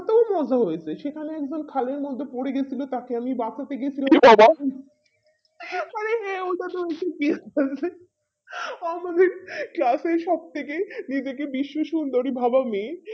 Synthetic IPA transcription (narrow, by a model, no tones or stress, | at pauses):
t̪omɔd͡ʑʱaɦojet͡ɕʰeʃekʰaneɛk̚d͡ʑonkʰaleɾmɔd̪ʱːepoɽeɡet͡ɕʰilot̪akeamibasat̪eɡet͡ɕʰilamibʱaba | aɾeɦɛot̪at̪oekekit͡ɕʰe | amad̪eɾklaseʃɔb̚t̪ʰekenid͡ʑekebiʃːoʃund̪oɾibʱabame